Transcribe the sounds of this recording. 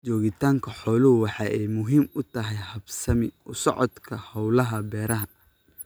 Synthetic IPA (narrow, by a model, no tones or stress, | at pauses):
t͡ʃɔːɣɪt̪ʰaːŋkʰɐħɔːlʊɦʊwɑħɑːʔɛjmʊɦiːmʊt̪ʰɐɦɛjhɐbsɐmɪʊsɔ̰ʕɔd̪kʰɐhɔwlɐɦɐbɛːɾɐɦɐ